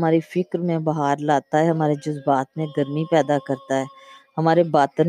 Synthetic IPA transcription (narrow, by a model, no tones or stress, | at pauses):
maːɾifɪkɾmẽbɐɦaːɾlaːt̪aɦɛːɦɐmaːɾed͡ʒʊzbaːt̪mẽɡəɾmipɛːd̪akəɾt̪aɦɛːɦɐmaːɾebaːt̪əɾ